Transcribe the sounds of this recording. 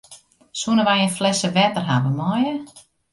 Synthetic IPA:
suənəʋajənflɛsəʋɛtərɦavəmɔjə

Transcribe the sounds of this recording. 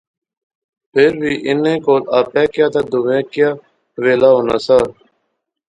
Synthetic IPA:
pʰɪɾʋiːʔɪnẽːkoːlaːpɛːkjaːt̪aːd̪ʊʋẽːkjaː | ʋeːlaːɦoːnaːsaː

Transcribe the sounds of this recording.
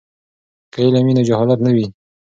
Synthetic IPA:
kailaminad͡ʒahɔlat̪nawi

